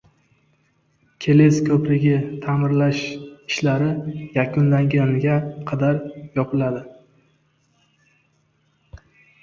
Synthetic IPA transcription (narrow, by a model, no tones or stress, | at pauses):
kʲʰe̞leskʲʰɵpɾɪɡʲɪt̪ʰamɪɾlaʃɪʃlaɾɪjakʰʊnlaŋɡʲanɪɡʲaqʰɑd̪aɾjɒpʰɪlad̪ɪ